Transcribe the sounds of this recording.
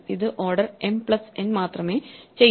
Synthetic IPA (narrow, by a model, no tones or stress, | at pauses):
iðɨʔoːɖɐremplɐsenmaːt̪rɐmeːt͡ɕe